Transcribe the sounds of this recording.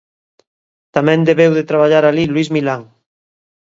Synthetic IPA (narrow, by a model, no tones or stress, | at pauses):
t̪amɛ̃nd̪eβewðet̪ɾaβ̞aʎaɾalilwizmilaŋ